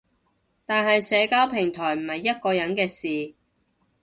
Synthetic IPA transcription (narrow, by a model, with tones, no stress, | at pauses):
t̪aː˨nɦɐ˨jsɛː˨˧kaː˥wpʰɪ˨˩ŋt̪ʰɔː˨˩jm̩˨˩hɐ˨jːɐ˥t̚kɔː˧jɐ˨˥nkɛː˧siː˨